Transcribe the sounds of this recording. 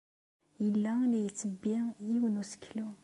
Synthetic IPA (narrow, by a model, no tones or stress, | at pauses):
jəlːælijət͡sːəbːijiwənusə̥kʰːlu